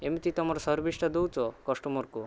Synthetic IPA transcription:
emit̪it̪ɔmaɾsɔɾbiʃʈad̪owt͡ɕokɔʃʈɔmoɾku

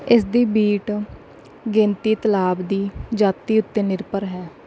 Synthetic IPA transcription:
ɪsd̪iːbiːʈ | ɡẽːnt̪iːt̪əlaːbd̪iːd͡ʒaːt̪iːʊt̪ːeːnɪɾpəɾɦɛː

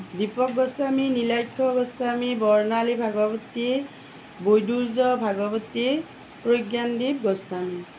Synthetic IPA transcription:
dipɔk̚ɡɔsaminilajkʰːɔɡɔsamibɔɹnalibʱaɡɔbɔti | bojduɹzɔbʱaɡɔbɔti | pɹojɡjandip̚ɡɔsami

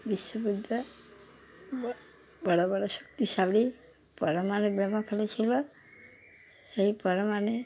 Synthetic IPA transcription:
biʃwɔbud̪ʱːɔ | bɔɽobɔɽɔsɔ̥k̚t̪isabɽi | pɔɾɔmañebɛmɔkʰelɔt͡ʃʰilɔ | seɦipɔɾɔmane

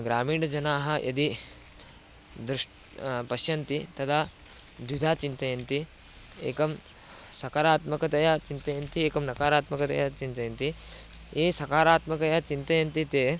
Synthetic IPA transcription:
ɡɾaːmiːɖɐd͡ʒɐnaːɦɐ̆ʔɐ̰d̪i | d̪ɾʂʈ | pɐʃjɐnt̪it̪ɐt̪ʰaː | d̪ʋid̪ʱaːt͡ʃint̪ɐjɐnt̪i | ḛːkɐm | sɐkaːɾaːt̪mɐkɐt̪ɐjɐt͡ʃint̪ɐjɐnt̪ieːkɐmnɐkaːɾaːt̪mɐkɐt̪ɐ̰jɐt͡ʃint̪ɐjɐnt̪i | eːsɐkaːɾaːt̪mɐkɐjɐt͡ʃint̪ɐjɐnt̪it̪eː

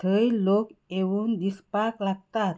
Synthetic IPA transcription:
t̪ʰəilokeʋuːnd̪ispaklaɡ̚t̪at̪

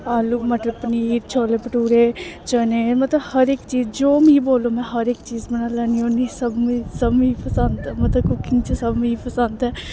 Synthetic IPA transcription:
aːluːmət̪ləbpəniːɾt͡ʃʰoːleːpəʈuːɾeːt͡ʃəneːmət̪ləbhəɾeːkt͡ʃiːzd͡ʒoːmĩboːlõːmɛ̃ːɦəɾeːkt͡ʃiːzbənaːlɛːniõːnisəbmisəbmĩipʰəsənt̪ɛːmət̪ləbkʊkɪ̃ŋɡt͡ʃəsəbmiipʰəsənt̪ɛː

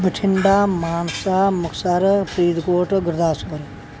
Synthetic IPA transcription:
bəʈʰɪɳɖaːmaːnsaːmʊksaɾpʰɾiːd̪koːʈɡəɾd̪aːsʊbəɾ

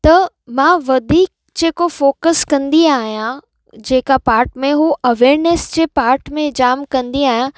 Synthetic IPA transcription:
t̪ɐ | mãʋɐd̪ʱiːk̚ | d͡ʑeːkofoːkəskɐ̃nd̪iaːɦijã | d͡ʑeːkapaːɾʈmẽɦuʔɐʋeːɾnesd͡ʑepaːɾʈmẽd͡ʑaːmkɐ̃nd̪iaːɦijã

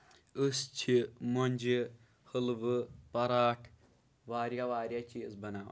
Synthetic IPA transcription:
ɨst͡ʃʰimonʲd͡ʒi | həlʋɨpɐɾaːʈʰ | ʋaːɾjaʋaːɾʲjaːt͡ʃizbɐnaːʋ̰

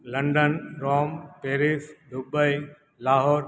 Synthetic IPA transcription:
lə̃ɳɖənɾɔːmpeːɾɪsɖ̪ʊbəi | laːɦɔːɾ

